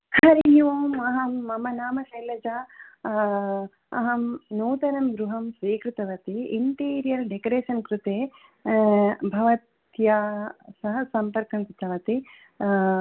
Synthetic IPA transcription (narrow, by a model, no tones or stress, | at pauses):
hɐɾijuʋoːmɐɦɐmːɐmɐnaːmɐʃɐjlɐd͡ʒaː | ɐ̰ɦɐmnuːt̪ɐɾɐmɡɾuɦɐmsʋiːkɾut̪ɐʋɐt̪iiɳʈiːɾijɐɾɖekoɾeːʃɐnkɾut̪eː | bʱɐʋɐt̪ | jaːsɐɦɐsɐmpɐɾkɐmkɾut̪ɐʋɐt̪i